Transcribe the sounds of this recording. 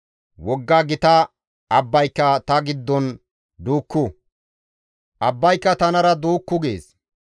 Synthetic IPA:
wɔɡːaɡɪt̪ɐ | ɐbːɐjkːɐt̪ɐɡɪd̪ːɔn | d̪uːkːʊ | ʔɐbːɐjkːɐt̪ɐnɐɾɐd̪uːkːʊɡḛːs

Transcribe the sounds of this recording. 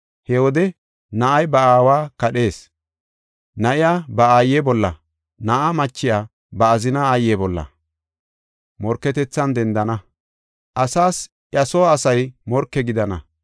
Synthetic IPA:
hɛwɔd̪ɛ | nɐʔɐjbɐaːwaːkɐɗe̞ːs | nɐʔɪjaːbɐaːjːɛbɔlːɐ | nɐʔamɐt͡ʃːɪjaː | bɐːzɪnaaːjɛbɔlːɐ̰ | mɔɾkːɛt̪ɛt͡sːɐnd̪ɛnd̪ɐnɐ | ʔɐsaːs | ʔjɐsoːsɐjmɔɾkːɛɡɪd̪ɐnɐ̰

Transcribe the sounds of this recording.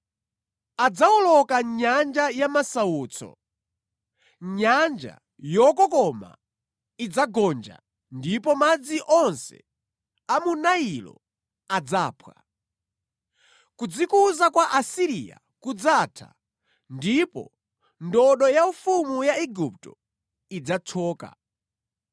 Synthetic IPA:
ad͡zaɔlɔkaɲand͡ʒajamasauːt͡sʰɔ̰ | ɲand͡ʒa̰ | jɔkɔkɔma̰ | id͡zaɡɔnd͡ʒa̰ | ndipɔmad͡ziʔɔnsɛ̰ | amunailɔ̰ | ad͡zaːpʰwa | kud͡zikuzakwaʔasiɾija̰ | kud͡zatʰa̰ | ndipɔ̰ | ndɔɗɔjaufumujaɛɡup̚tɔ | id͡zat͡sʰɔːka̰

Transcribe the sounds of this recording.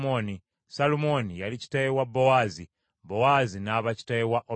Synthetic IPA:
oni | salumo̞nijalici̥taewabːo̞wazi | bo̞wazinaːβaci̥tajewaʔo

